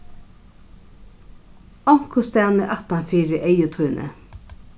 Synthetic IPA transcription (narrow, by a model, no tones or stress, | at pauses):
ɔŋ̥kʊst̪æːnəʔat̪anfiːɾɪʔejʊt̪ʰujnʔə̰